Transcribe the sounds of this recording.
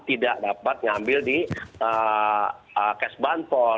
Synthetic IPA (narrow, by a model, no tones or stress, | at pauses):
t̪idaʔdapat̪̚ŋambɪldiə | əkɛsbanpɔ